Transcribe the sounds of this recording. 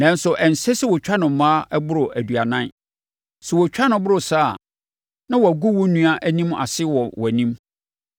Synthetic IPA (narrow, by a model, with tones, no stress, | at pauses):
nã˦n˦sʊ˨ʔɛ˨n̩˨sɛ˦sɛ˦wɔ˨t͡ɕᶣa˦nʊ̃˨m̩˦mãː˦ɛ˦bʊ˦ɾʊ˨ʔæ˨du˨a˨nã˦n | sʊ˨wɔ˨t͡ɕᶣa˦nʊ̃˨˦bʊ˦ɾʊ˨saː˦˨ | nã˦wɔ˨æ˨ɡu˦wʊ˦nũ˦a˦ʔæ˦nĩ˦ma̰˨sɪ˦wɔ˨wɔ˨æ˨nĩ˦m